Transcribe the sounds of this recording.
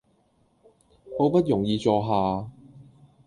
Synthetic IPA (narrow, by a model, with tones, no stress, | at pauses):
mo˨˥wpɐ˥t̚jʊ˨˩ŋjiː˨˧t͡sɔː˧ɦaː˨˧